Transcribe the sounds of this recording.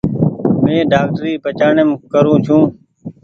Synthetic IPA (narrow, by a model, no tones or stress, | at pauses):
mẽːɖaːk̚ʈɾiːpət͡ʃaːɳemkəɾũːt͡ʃʰũː